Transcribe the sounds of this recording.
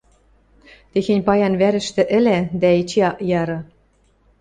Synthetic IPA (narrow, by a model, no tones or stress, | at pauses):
t̪exenʲpɑjɑnβæɾɘ̆ʃt̪ɘ̆ʔɘ̆læd̪æet͡ɕeɑʔjɑɾɤ̆